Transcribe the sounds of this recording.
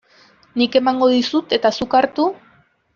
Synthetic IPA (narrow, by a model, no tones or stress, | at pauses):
nike̞maŋɡo̞ðisut̪e̞t̪asukaɾt̪u